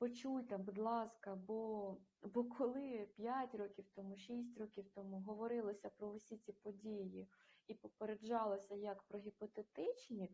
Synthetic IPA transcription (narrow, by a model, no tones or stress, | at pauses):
pɔt͡ʃujʲt̪ɐbud̪lˠɑskɐbɔbɔkʰɔlˠɪpʲjatʲɾɔkʲiwt̪ɔmuʃis̬ʲtʲɾɔkʲiwt̪ɔmuɦɔʋɔɾɪlˠɔsʲɐpɾɔʊsʲit͡sʲipɔdʲijiipɔpeɾed͡ʒɑlˠɔsʲɐjɐkpɾɔɦʲipɔt̪et̪ɪt͡ʃnʲi